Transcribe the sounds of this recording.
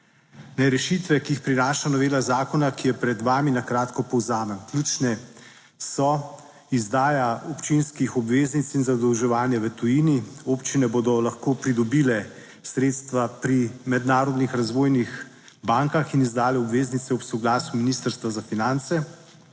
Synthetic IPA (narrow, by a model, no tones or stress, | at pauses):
nɛɾɛʃit̪ʋɛkiixpɾinaːʃanɔʋeːlazaːkɔnakijɛpɾɛd̪ʋaːminakɾaːt̪kɔpɔwzaːmənklʲjuːt͡ʃnɛ | sɔ | izd̪aːjaɔpt͡ʃinskixɔbʋeːznit̪sinzad̪əwʒɛʋaːnjaʋət̪ɔjiːnioːpt͡ʃinɛboːd̪ɔlaxkoːpɾid̪ɔbiːlɛ | sɾeːt̪st̪ʋapɾimɛd̪naːɾɔd̪nixɾazʋoːjnix | baːŋkaxinizd̪aːlɛɔbʋeːznit̪sɛɔpsɔɡlaːsuminist̪əɾst̪ʋazafinant̪sɛ